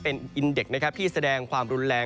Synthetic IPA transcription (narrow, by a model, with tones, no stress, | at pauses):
pe˧nʔi˧nde˨˩k̚na˦˥kʰa˦˥p̚t̪iː˥˩sa˧dɛː˧ŋkʰwaː˧mɾu˧˦˥nɾɛː˧